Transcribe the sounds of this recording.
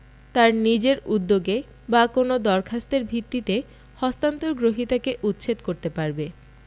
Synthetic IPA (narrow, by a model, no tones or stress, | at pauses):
t̪aɾnid͡ʑeɾud̪ːoɡe | bakonod̪ɔɾkʰast̪eɾbʱit̪ːit̪e | hɔst̪ant̪oɾɡɾoɦit̪akeʔut̪ːɕʰet̪koɾt̪epaɾbe